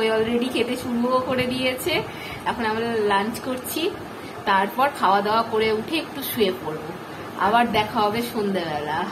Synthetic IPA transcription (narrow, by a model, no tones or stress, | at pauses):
ojɔlɾeɖikʰet̪eʃuɾbʱoɦokoɾed̪ijet͡ɕʰe | ɛkʰonamɾlant͡ɕkoɾt͡ɕʰi | t̪aɾpɔɾkʰaoad̪eoakoɾeuʈʰeek̚ʈuʃuepoɾbo | a̰baɾd̪ɛkʰaɦɔbeʃond̪ebɛla